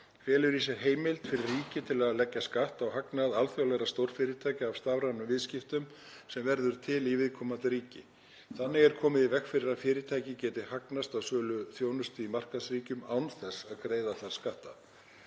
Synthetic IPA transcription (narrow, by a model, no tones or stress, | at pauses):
fjɛːlʏɾis̬aɦeːjmɪlt̪fɪɾɪrrːiːcɪt̪ʰɪlaðlɛcːaskaht̪awhaknaðalθjawlɛɾast̪owɾ̥fɪɾɪɾt̪ʰaːjcaːv̥st̪avɾanʏmvɪðscɪft̪ʏm | sɛmvɛɾðʏɾ̥t̪ʰɪlivɪðkʰɔːmant̪ɪɾiːcɪ | θanːɪɣɛɾkʰɔːmɪðivɛkfɪɾɪɾaðfɪːɾɪɾt̪ʰaːjcɪcɛːt̪ɪhaknast̪awsœːlʏθjoːwnʏst̪ɪimar̥kaðsriːcʏmaːwnθɛsːaðkɾeːjðaθaɾ̥skaht̪a